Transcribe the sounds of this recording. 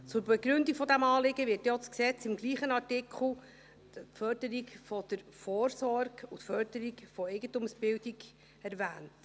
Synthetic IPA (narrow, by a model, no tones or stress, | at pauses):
t͡sʊɾbɛɡɾʉndikfɔd̪æmɑːlɪɡəʋɪɾtjɔt͡sksɛt͡sɪmɡliːχənɑɾtɪkʰχl̩ˠ | fœɾd̥əɾikfɔd̥əɾfoːɾsɔrɡutfœɾd̥əɾikfɔɛɪɡəntumsb̥ɪwdiɡ | ɛɾvæːnt